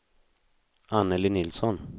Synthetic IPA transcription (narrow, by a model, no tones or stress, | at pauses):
ʔanːəlɪnɪlsɔn